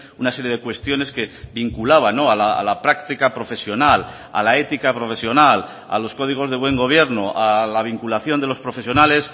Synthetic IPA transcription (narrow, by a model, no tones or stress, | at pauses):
unaseɾje̞ðe̞kwe̞st̪jo̞ne̞skeβiŋkulaβ̞ano̞alaa̰lapɾakt̪ikapɾo̞fe̞sjo̞nal | a̰laet̪ikapɾo̞fe̞sjo̞nal | a̰lo̞sko̞ð̞iɣ̞o̞zðe̞βwe̞ŋɡo̞β̞je̞ɾnoalaβ̞iŋkulaθjo̞nd̪elo̞spɾo̞fe̞sjo̞nale̞s